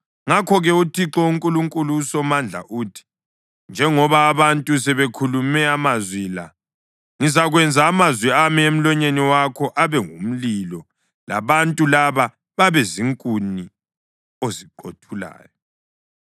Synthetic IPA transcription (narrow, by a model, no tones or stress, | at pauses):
ŋakʰɔɣɛutʰiǁɔuŋkʼuluŋkʼuluːsɔmand͡ɮʱa̰ʔuːtʰi̥ | nd͡ʒʱɛŋɔβaːβantʼus̬ɛβekʰulumɛamazwila̰ | ŋizaɣwɛnd͡zʱaːmazwiamiem̩lɔɲeniwakʰɔʔaβɛŋum̩lilɔ | la̰βantʼulaβa | βaβɛziŋkʼuni | oziǃotʰula̰ːjɔ